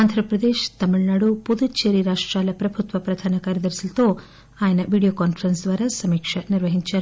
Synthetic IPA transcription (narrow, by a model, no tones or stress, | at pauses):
aːnd̪ʱɾɐpɾɐd̪eːʃt̪ɐmiɭnaːɽupud̪ut͡ʃeɾiɾaːʂʈɾaːlɐpɾɐbʱut̪ʋɐpɾɐd̪ʱaːnɐkaːɾiɐd̪ɐɾisilt̪oː | aːjɐnɐʋiːɽijoːkaːnfɐɾɐnsd̪ʋaːɾɐsɐmiːkʂɐniɾʋɐɦiɲt͡ʃɐɾ